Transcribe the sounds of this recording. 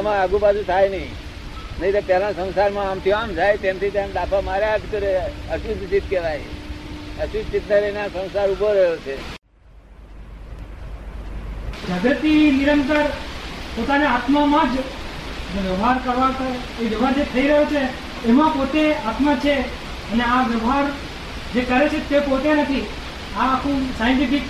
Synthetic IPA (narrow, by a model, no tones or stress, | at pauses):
mãaɡũpasʰũt̪ʰajnəĩ | nəĩt̪apɛlãsə̃nsaɾmãːmt̪ʰiamd͡ʒajt̪ẽmt̪ʰit̪ãnd̪apʰamaɾeaʈʰkəɾeəʃud͡ʒ̪t͡ʃit̪̚kɛʋaj | əʃud͡ʒ̪t͡ʃit̪neɾənasə̃w̃saɾubʱoɾəjot͡ʃʰe | d͡ʒaɡət̪iniɾənt̪əɾpot̪aneat̪mamãd͡ʒ | d͡ʒeʋjəʋɦaɾkəɾʋat̪ʰa | eʋjəʋɦaɾd͡ʒet̪ʰəiɾəɦjot͡ʃʰeː | mãpot̪eat̪mat͡ʃʰe | əneaʋjəʋɦaɾ | d͡ʒekəɾet͡ʃʰet̪epot̪enət̪ʰi | aːkʰũsajəɳʈifɪk